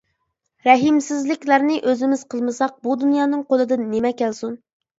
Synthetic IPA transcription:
ɾɛɦimsɪzlɪkʲlæɾnɪʔøzɪmɪz̥qʰəlˠmɨsɑq̚bud̪unjɑːnɨŋqolˠɨd̪ɨnːɪmɛkʲælsun

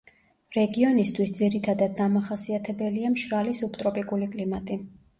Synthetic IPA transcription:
ɾɛɡiɔnist̪ʰwisd̪ziɾit̪ʰad̪ad̪̚ːamaχasiat̪ʰɛbɛliamʃɾalisupʰt̪ʼɾɔpʼikʼulikʼlimat̪ʼi

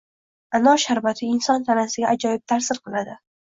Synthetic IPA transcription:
anɒʃaɾbat̪ʰɪɪnsɒnt̪ʰanasɪɡʲaʔad͡ʒɒjɪp̚t̪ʰaɾsɪɾqʰɨlˠad̪ɪ

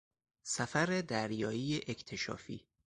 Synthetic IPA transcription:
sæfæɾed̪æɾjɒːjijeʔecʰt̪ʰe̞ʃɒ̰ːfḭː

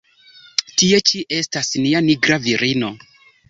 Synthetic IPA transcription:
tie̞t͡ʃiʔe̞stasnianiɡɾaviɾino̞

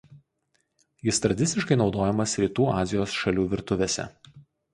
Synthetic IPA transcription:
jɪst̪ɾɐd̪ʲɪsʲɪʃkɐɪnɒʊd̪oːjɛmɐsɾʲiːt̪uːɑːzʲɪjoːsʃɐlʲuːʋʲɪɾt̪ʊʋʲesʲɛ̰

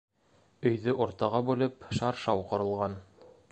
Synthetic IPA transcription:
ɵ̆jðɵʔŏɾt̪ɑʁɑbʉlɘpʃɑɾʃɑwqŏɾɤ̆lˠʁɑn

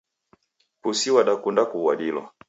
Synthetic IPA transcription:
pusiwaɗakundakuwaɗilwa̰

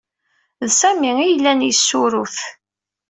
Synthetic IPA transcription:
ðsæmiijəlːænjəsːʊɾʊθ

